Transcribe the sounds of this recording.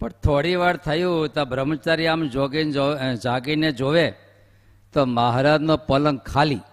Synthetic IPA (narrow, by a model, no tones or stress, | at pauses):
pəɳt̪ʰoɽiʋaɾt̪ʰəjũt̪abʱɾəmət͡ʃaɾiamd͡ʒoɡind͡ʒaɡined͡ʒoʋe | t̪omaɦɾad͡ʒnopələŋɡkʰali